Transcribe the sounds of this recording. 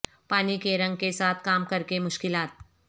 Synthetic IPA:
paːnikeɾɐ̃ŋɡ̚kesaːt̪ʰkaːmkɐɾkemʊʃkɪlaːt̪̚

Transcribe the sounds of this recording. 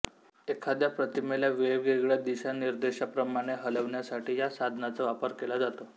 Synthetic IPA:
ekʰad̪japɾət̪imeljaʋeɡeɡɭjad̪iɕaniɾd̪eɕapɾəmaɽ̃eɦələʋɳjasaʈiːjasad̪ʱnat͡səʋapəɾkelad͡zat̪o

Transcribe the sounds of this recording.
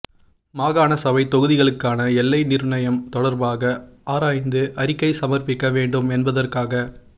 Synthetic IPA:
maːɣaːnɐsɐʋɐɪt̪ɔɣɯðɪɣɐɭɯkːaːnɐɛlːɐɪnɪɾɳɐjɐmt̪ɔɽɐɾbaːɣɐaːɾaːjnd̪ɯʔɐɾɪkːɐɪsɐmɐrpɪkːɐʋeːɳɖɯmɛnbɐðɐrkaːɣɐ

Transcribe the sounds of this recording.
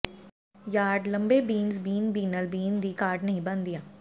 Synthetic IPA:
jaːɖlɐ̃mbebiːnzbiːnbiːnəlbiːnd̪ʱikaːɾʈnɐɦĩbɐ̃nd̪ijaː

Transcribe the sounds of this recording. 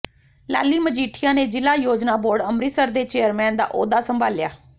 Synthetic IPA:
la̰ːliːməd͡ʒiːʈʰɪjãːneːd͡ʒɪlaːjoːd͡ʒnaːboːɾɖəmɾiːsəɾd̪eːt͡ʃeːəɾmɛːnd̪a̰ːʔoːd̪aːsəmbʱaːlɪjaː

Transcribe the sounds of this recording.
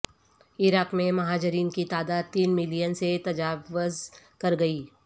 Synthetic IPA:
ɪɾaːqmẽmɐɦaːd͡ʒɪɾiːnkit̪aːd̪aːd̪̚t̪iːnmɪlijənset̪ɐd͡ʒaːʋʊzkɐɾɡɐiː

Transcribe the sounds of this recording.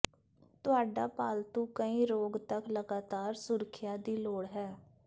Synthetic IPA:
t̪ʊaːɖaːpaːlt̪ũːkəĩːɾoːɡt̪əkləɡaːt̪aːɾsʊɾəkʰɪjaːd̪iːloːɽɦɛː

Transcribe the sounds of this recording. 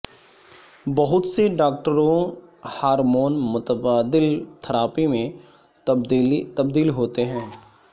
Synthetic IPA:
bɐɦʊt̪seɖaːk̚ʈəɾõhaːɾmoːnmʊt̪əbaːd̪ɪlt̪ʰəɾaːpimẽ | t̪ɐb̚d̪iːlɦoːt̪eɦɛ̃ː

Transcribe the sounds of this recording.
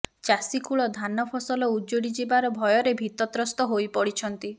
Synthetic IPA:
t͡ʃasikuɭɔd̪ʱanɔpʰɔsɔlɔud͡ʒoɽid͡ʒibaɾɔbʱɔjɔɾebʱit̪ɔt̪ɾɔst̪ɔɦojpɔɽit͡ʃʰɔnt̪i

